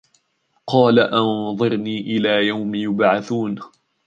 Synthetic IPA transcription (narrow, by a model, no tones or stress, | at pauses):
qɑːlaʔɑnðˤɨɾniːʔɪlaːjawmjʊbʕaθuːn